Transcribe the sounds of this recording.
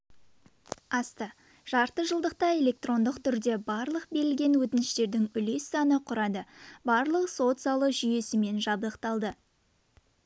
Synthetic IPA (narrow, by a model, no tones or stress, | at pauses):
ɑst̪ə | ʒ̥ɑɾt̪əʒəlˠd̪əq̚t̪ɑe̞lʲe̞k̚t̪ro̞nd̪əqt̪ʰʏɾd̪e̞bɑɾlˠəq̚be̞ɾɪlɡʲe̞nwɵt̪ɪnɪʃt̪e̞ɾd̪ɪŋʏle̞sːɑnəqʰʊɾɑd̪əbɑɾlˠəqso̞t̪sɑlˠəʒʏje̞sɪme̞nʒɑbd̪əqt̪ɑlˠd̪ə